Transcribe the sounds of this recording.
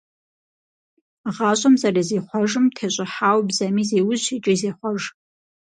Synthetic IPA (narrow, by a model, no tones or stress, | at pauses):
ʁaɕʷʼɐmzarezeːχʷɔʒɨmtʰeɕʷʼɪħaːwbzamizeːwʊzit͡ʃʼɪzeχʷɔʒ